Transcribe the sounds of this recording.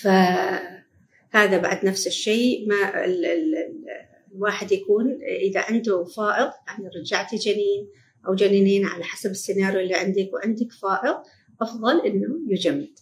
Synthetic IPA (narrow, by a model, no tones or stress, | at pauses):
fa | haːðaba̰ʕd̪nafsɪʃːeːmaɪ | lwaːħɪd̪jakuːnʔɪða̰ʕɪnd̪ʊfaːʔɪɣjaʕniɾˤɑd͡ʒaʕt̪id͡ʒaniːn | ʔawd͡ʒaniːniːnʕa̰laħasabɪsːɪnaːɾjuʔɪlːiʕɪnd̪ɪkwʕɪnd̪ɪkfaːʔɪɣ | ʔɑfðˤɑlʔɪnːʊjʊd͡ʒamːɪd̪̥